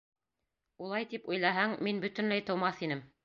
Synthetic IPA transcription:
ulˠɑjt̪ipujlˠɑɦɑŋminbɵt̪ɘ̆nlæjt̪ɤ̆wmɑθinɘm

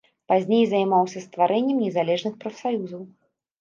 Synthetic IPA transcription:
pazʲnʲejzɐjmawsʲɐst̪vaɾɛnʲːɛmnʲɛzalʲɛʐnɨxpɾɐfsajuzɐw

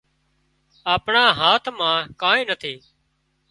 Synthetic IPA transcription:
aːpɳaːɦaːt̪ʰmãːkãːẽːnət̪ʰiː

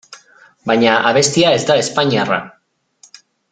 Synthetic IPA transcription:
bajɲaʔaβ̞e̞st̪iae̞zd̪ae̞spaɲiara̰

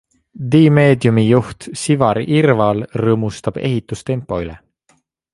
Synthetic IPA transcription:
d̪iːme̞ːd̪jumijuht̪sivɑɾirvɑlrɤːmust̪ɑb̥e̞̰ɦit̪ːˑust̪e̞mpːˑo̞ylɛ̰

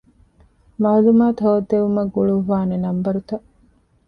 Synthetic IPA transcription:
mɐɐlumaːt̪ʰɐod̪ːeʋumɐɡuɭuʋaːnenɐmbɐɾut̪ɐʔ

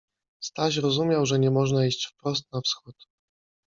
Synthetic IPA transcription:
st̪aɕ̬ɾɔzumʲjawʐɛɲɛmɔʐnaiɕt͡ɕfpɾɔs̬t̪̚nafsxut̪

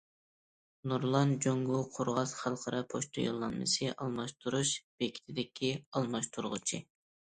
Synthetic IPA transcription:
nuɾlˠɑnd͡ʒoŋɡuqʰoɾʁɑzχɑlˠqʰɑɾɑpʰoʃt̪ʰo̰jo̰lˠːɑnmɨ̰sɨʔɑlˠmɑʃt̪ʰuɾuʃb̥ekʲʰi̥t̪ʰɪd̪ɪkʲʰiɑlˠmɑʃt̪ʰuɾʁʊ̰t͡ʃʰi

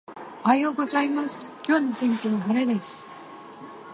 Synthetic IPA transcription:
ohajoːɡo̞zaimasɨ̥kʲo̞ːnot̪ẽ̞ŋkʲioβaɦaɾed̪e̞sɨ̥

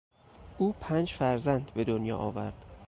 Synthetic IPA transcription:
ʔuːpʰænd͡ʒfæɾzænd̪be̞d̪onjɒ̰ːʔɒːvæɾd̪̥

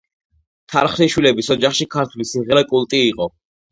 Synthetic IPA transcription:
t̪ʰaɾχɾiʃwilɛbisɔd͡ʒaχʃikʰaɾt̪ʰwlisiʁɛɾakʼulˠt̪ʼiːqʼɔ

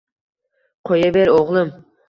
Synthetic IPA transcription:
qʰojabeɾoʁlˠɨm

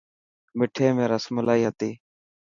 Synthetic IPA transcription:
mɪʈʰeːmẽːɾəsməlaːiːɦət̪iː

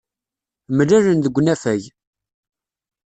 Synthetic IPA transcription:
mlæɾənðəɡʷːnæfæj

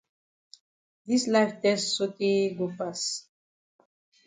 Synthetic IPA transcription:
d̪islajvt̪ɛssot̪eɡopas

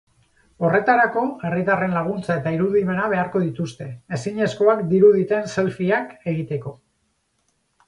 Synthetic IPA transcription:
o̞re̞t̪aɾako̞e̞rit̪are̞nlaɣ̞unt͡sae̞t̪aiɾuðime̞naβ̞e̞aɾko̞ðit̪ust̪e̞ːsiɲe̞sko̞akd̪iɾuðit̪e̞nse̞lfiake̞ɣit̪e̞ko̞

